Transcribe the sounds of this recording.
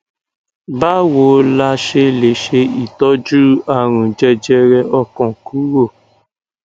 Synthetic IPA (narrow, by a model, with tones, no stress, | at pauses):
ba˦wo˨˦la˧ʃe˧le˨ʃe˧i˨tɔ˦d͡ʒu˦a˦˨ɾ̃ũ˨d͡ʒɛ˧d͡ʒɛ˧ɾɛ˧ʔɔ˧kɔ̃˨ku˨˦ɾo˦˨